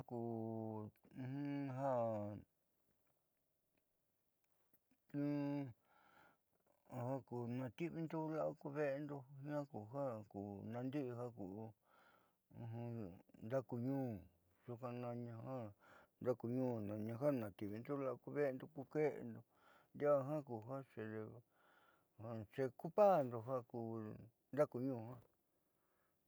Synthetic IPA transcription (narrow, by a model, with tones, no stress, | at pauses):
a˦ku˨˧ | hũ˦ɦa˦ | tũ˦˨ | ha˦ku˨nã˧t̪i˦βi˧nd̪u˦la˦ʔa˧ku˧βe˦ʔe˧nd̪o˧ɲã˦ku˨ha˦ku˨nã˧nd̪i˦ʔɦa˦ku˨˧ | ũ˧ɦũ˧nd̪a˦ku˧ɲũː˦ | su˧kã˧nã˧ɲã˧hã˦nd̪a˦ku˧ɲũː˦nã˨ɲã˧ɦa˦˨nã˨t̪i˧˨βi˧nd̪u˦la˦˧ku˧βe˦˧nd̪o˧ku˧ke˦ʔḛ˧nd̪o˧ | nd̪a˦˧ɦã˦ku˨ɦa˦t͡ʃe˧e˧ | hã˧t͡ʃe˧ku˦pa˦˨nd̪o˧ɦa˦ku˧ | nd̪a˦ku˧ɲũː˦˧hã˦